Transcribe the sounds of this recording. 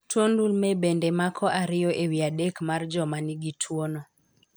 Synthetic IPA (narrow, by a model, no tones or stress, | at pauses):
tʰwondulmɛbɛndɛmakʰɔʔaɾɪjɔʔewiadekmard͡ʒɔmaniɡitʰwonɔ